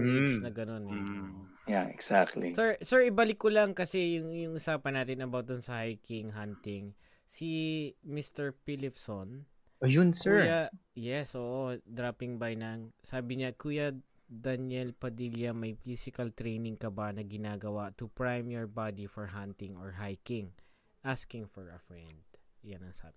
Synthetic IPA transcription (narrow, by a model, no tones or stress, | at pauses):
esnɐɡɐno̞nɛoo | jaɛksak̚t̪lḭsɛɹsɛɹɪbalɪkːʊlɐŋkɐsɛjʊŋjʊŋʔʊsaːpɐnːaːt̪ɪnɐbawt̪̚d̪ʊnsɐhajkɪŋɦant̪ɪŋ | simist̪ɛɹpilɪpson | jʊnsɛɹjajɛsʔoːʔod̪ɾaːpɪŋbajnɐŋsaːbɪɲɐkuːjɐ | d̪ɐnjɛlpɐd̪iljɐmɐjfisɪkɐlt̪ɾɛjnɪŋkɐbanɐɡɪnaːɡɐwat̪ʊpɹajmjɔɹbad̪ifɔɹɦant̪ɪŋoɹɦajkɪŋ | ʔaskɪŋfɔɹɐfɹɛnd̪̚janɐŋsa̰ːbɪ